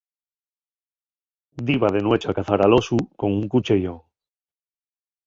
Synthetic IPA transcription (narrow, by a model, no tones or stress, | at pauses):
d̪iβaðe̞nwe̞t͡ʃakaθaɾalo̞suko̞ŋuŋkut͡ʃeʝoŋ